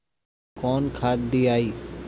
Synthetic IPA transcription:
kɔːnkʰaːd̪d̪iːaːiː

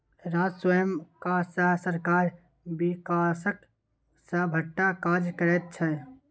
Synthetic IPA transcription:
ɾad͡ʒswəjəmkasəɦsəɾkaːɾ | bikasək | səbʱəʈːakad͡ʒkəɾɛt̪̚t͡ʃʰɛ

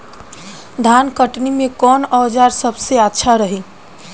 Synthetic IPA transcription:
d̪ʱankəʈnimẽkɔːnɔːd͡ʒaɾsəbseətːʃʰaɾəɦi

